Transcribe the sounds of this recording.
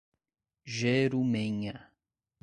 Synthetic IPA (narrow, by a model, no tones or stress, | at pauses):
ʒeɾumẽɲɐ